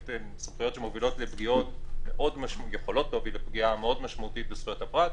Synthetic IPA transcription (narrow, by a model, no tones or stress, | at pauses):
tesofχijo̞tʃemo̞vilo̞tlebɡio̞tmeʔo̞dmaʃjeχo̞lo̞tlovilebɡiameo̞dmaʃmaut̪it̚besujatapʁat